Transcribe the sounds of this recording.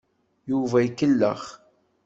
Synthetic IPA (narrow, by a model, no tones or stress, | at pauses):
juvæikːəlːə̰χ